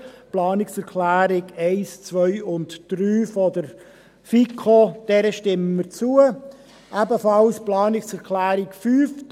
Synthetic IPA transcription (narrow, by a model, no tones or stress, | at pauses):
plɑːnɪksɛɾkʰlæːɾɪɡɛɪst͡sʋœʏʊntd̥ryːfɔdəɾ | fikʰod̥ɛɾəʃtɪmmət͡suə | ʔæbəfɑlsplɑːnɪksɛɾkʰlæːɾɪkfyːfd